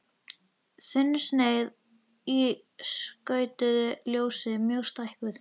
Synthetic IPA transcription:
θɪnːsneːjð | i | skœːɥt̪ʏðʏljoːwsɪmjœɣst̪ajhkvʏɾ̥

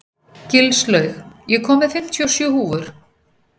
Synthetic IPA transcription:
cɪlslœɥxjɛkʰɔːmɪðfɪm̥t̪ʰjɔsjʏːhuːvʏɾ̥

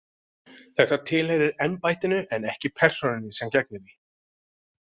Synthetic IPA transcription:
θɛht̪at̪ʰɪːlhɛɣɾɪɾɛnpajt̪ɪnʏʔɛnɛhcɪpʰɛr̥sɔnɪnɪsɛmcɛk̚nɪðɪ

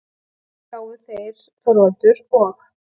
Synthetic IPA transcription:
kaːwʏθejɾ̥ | θɔɾvalt̪ʏɾɔɣ

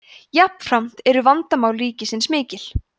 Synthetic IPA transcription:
japn̥fɾam̥t̪ɛɾʏvant̪amaːwlɾiːcɪsɪnsmɪːcɪl

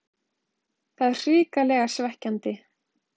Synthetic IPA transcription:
θaðr̥iːkalɛːɣasvɛhcant̪ɪ

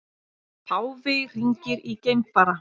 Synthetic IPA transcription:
pʰaːwvɪr̥iɲcɪɾicejmpaɾa

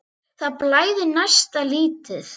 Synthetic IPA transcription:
θaðplaːjðɪnajst̪aliːt̪ɪθ

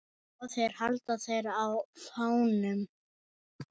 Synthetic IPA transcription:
ɔθejɾ̥halt̪aθejɾawfaːwnʏm

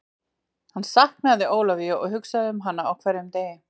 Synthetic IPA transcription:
hansaht̪mɛaðɪʔoːwlaviaɔɣhʏksaðɪʏmɦan̪ːaawkʰvɛɾɪmt̪eːjɪm

